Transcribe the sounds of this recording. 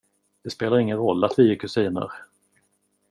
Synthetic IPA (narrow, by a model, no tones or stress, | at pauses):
d̪̥ɛspeːlaɾɪŋːənɾɔlːat̪vɪjeːkʰɵsiːnə̰ɾ